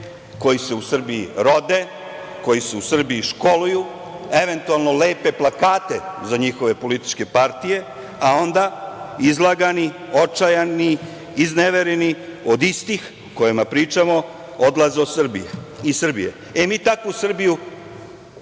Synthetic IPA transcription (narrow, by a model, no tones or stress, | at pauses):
ko̞jiseusr̩biḭɾo̞d̪e | ko̞jiseusr̩biiʃko̞luju | e̞ʋe̞nt̪ualˠno̞le̞ːpe̞plˠakaːt̪e̞zaɲixo̞ʋe̞po̞lit̪i̥t͡ʃke̞paɾt̪ije̞ | ao̞nd̪aizlˠaɡani | ot͡ʃajani | izneʋeɾeniod̪ist̪ix | uko̞jemapɾiːt͡ʃamo̞ | od̪lazeosr̩bḭjeisr̩bijḛ | emiːt̪akusr̩biju